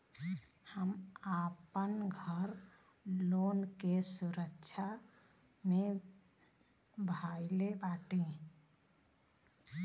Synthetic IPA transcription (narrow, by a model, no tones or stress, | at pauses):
həmaːpənɡʱəɾ | loːnkesuɾəkt͡ʃʰa | mẽ | bʱajlebaʈẽ